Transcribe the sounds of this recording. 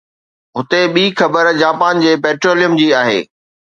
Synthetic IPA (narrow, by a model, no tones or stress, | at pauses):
ɦʊt̪eɓiːxɐbəɾd͡ʑaːpaːnd͡ʑeːpɛːʈɾoːlijəmd͡ʑiːaːɦḛː